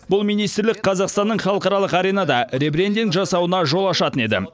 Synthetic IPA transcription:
bʊlˠmijnijst̪ɾlɪk̚qʰɑzɑqst̪ɑnːəɴχɑlˠəqɑɾɑlˠəqɑɾejnɑd̪ɑɾe̞bɾʲe̞nd̪ŋʒɑsɑwənɑʒo̞lˠɑʃɑt̪əne̞d̪ɪ̰

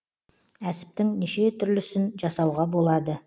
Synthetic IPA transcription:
æsɪ̥p̚t̪ɪŋniʃe̞t̪ʰʏɾlɪsɪnʒɑsɑwʁɑbo̞lˠɑd̪ə

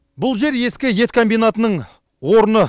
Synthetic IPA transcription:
bʊlˠʒe̞ɾje̞skʲɪje̞t̪kʰo̞mbijnat̪ənəɴ | wo̞ɾənə

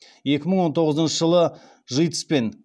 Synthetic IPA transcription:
je̞kʲɪməɴwo̞nt̪ʰo̞ʁəzənʃəʒəlˠə | ʒəjt̪ə̥spe̞n

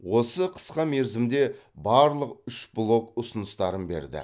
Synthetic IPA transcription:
wo̞səqʰə̥sqɑme̞ɾzɪmd̪e̞bɑɾlˠəqʏʃblˠo̞kʊsənəst̪ɑɾənbe̞̰ɾd̪ɪ̰

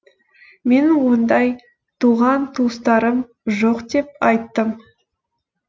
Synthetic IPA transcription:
me̞nwo̞nd̪ɑj | t̪ʰuʁɑnt̪ʰust̪ɑɾəm | ʒoqd̪e̞p̚ɑjt̪ːəm

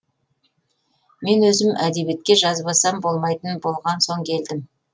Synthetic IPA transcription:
me̞nwɵzɪmʔæd̪e̞be̞t̪̚kʲe̞ʒɑzbɑsɑmbo̞lˠmɑjt̪ənbo̞lˠʁɑnso̞ŋkʲʰe̞ld̪ɪm

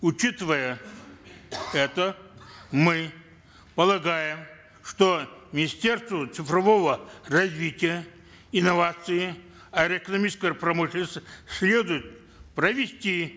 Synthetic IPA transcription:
ʊt͡ɕit̪ɨvəjə | ɛt̪ə | mɨ | pəlˠɐɡajɪm | ʂt̪omʲɪnʲɪsʲtʲe̞rst̪vət̪sɨfrɐvo̞vərɐzʲvʲitʲɪjə | ɪnɐvat̪sɨjɪ | ɐɾʲəɪkənɐmʲit͡ɕɪskəjəpɾɐmɨʃʲɪlnəsʲt̪sʲlʲe̞d̪ʊjʊt̪̚ | prəvʲɪsʲtʲi

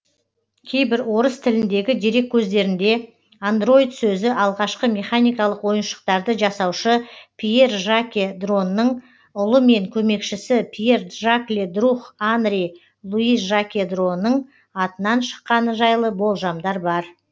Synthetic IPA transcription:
kʲʰe̞jbɪɾwo̞ɾəst̪ʰɪlɪnd̪e̞ɡʲɪd̪iɾe̞kʲʰːɵzd̪e̞ɾɪnd̪e̞ | and̪ro̞jd̪t̪sɵzɪʔɑlˠʁɑʃqəmʲe̞χanijkɑlˠəqwo̞jənʃə̥q̚t̪ɑɾd̪əʒɑsɑwʃəpʲʰije̞rʒakʲed̪ro̞nːəɴ | ʊlˠəme̞ŋkʲʰɵme̞kʃɪsɪpʰije̞rʒaklʲed̪ruχand̪ɾʲij | lˠuiʒakʲed̪ro̞nːəɴ | ɑt̪ənɑnʃə̥qːɑnəʒɑjlˠəbo̞lˠʒɑmd̪ɑɾbɑɾ

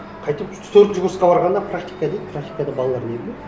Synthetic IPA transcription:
qʰɑjt̪əp | t̪ʰɵɾt̪ʒʊɡʊɾsqɑbɑɾʁɑnd̪ɑpʰɾak̚t̪ikad̪ijd̪pʰrak̚t̪ʲi̥kad̪ɑbɑlˠɑlˠɑɾne̞bɪlʲe

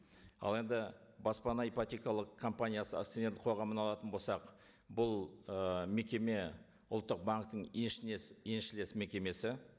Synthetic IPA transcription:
ɑ̰lˠe̞nd̪ɪbɑspɑnɑipat̪ʲekɑlˠəqʰːo̞mpanʲijasə̰t̪sene̞ɾd̪ɪqʰoʁɑmənɑlˠɑt̪ənbolˠsɑq | bʊlˠəme̞kʲe̞me̞ | ʊlˠt̪ːəq̚baŋk̚t̪əɴenʃɪnesenʃɪle̞sme̞kʲe̞me̞sɪ

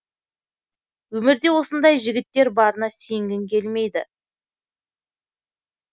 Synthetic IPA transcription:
wɵmɪɾd̪e̞wo̞sənd̪ɑjʒɪɡʲɪt̪ːe̞ɾbɑɾənɑsejŋɡʲɪŋkʲe̞lme̞jd̪ɪ

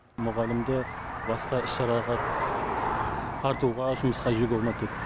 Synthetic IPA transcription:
mʊʁɑlɪmd̪ɪ | bɑsqɑɪsɑɾɑʁɑ | ɑɾt̪uʁɑʒʊməsqɑʒeɡʲolˠmɑk̪ʰʲet̪ːɪ

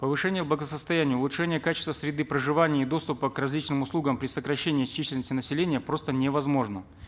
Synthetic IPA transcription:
pəvɨʂɛnʲɪjəblˠəɡəsəst̪ɐjænʲɪjəʊlˠʊtʂɛnʲɪjəkat͡ɕɪst̪vəsɾʲɪd̪ɨpɾəʐɨvanʲɪjəid̪o̞st̪ʊpəkrɐzʲlʲit͡ɕnɨmʊslˠuɡəmpɾʲɪsəkɾɐɕːenʲɪjɐt͡ɕːisʲlʲɪlnəsʲtʲɪnəsʲɪlʲenʲɪjəpɾo̞st̪ənʲevɐzmo̞ʐnə

